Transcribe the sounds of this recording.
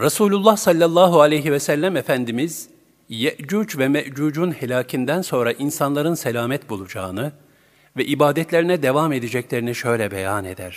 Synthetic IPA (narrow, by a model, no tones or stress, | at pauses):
ɾasuːlʲulˠːahsalʲːalˠːaːɦualʲejɦivɛsælʲːæmefænd̪imiz̥ | jɛʔd͡ʒuːd͡ʒvɛmɛʔd͡ʒuːd͡ʒunhelʲaːcʰind̪ænso̞nɾaʔinsanlˠaɾɯnselʲaːmɛt̪̚bulˠud͡ʒa̰ːɯnɯ | vɛʔibaːd̪ɛt̪ʰlʲe̞ɾinɛd̪e̞vame̞d̪id͡ʒɛclʲe̞ɾiniʃø̞jlʲɛbḛjane̞̰d̪æ̰ɾ̥